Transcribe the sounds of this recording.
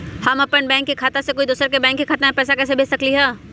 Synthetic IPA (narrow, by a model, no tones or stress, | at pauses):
hɐmɐpənbɛ̃ːŋkːikʰaːt̪asekoːid̪uːsəɾkebɛ̃ːŋkːikʰaːt̪aẽpɛːs̬akɛːs̬ebʱeːsɐkliɦɛː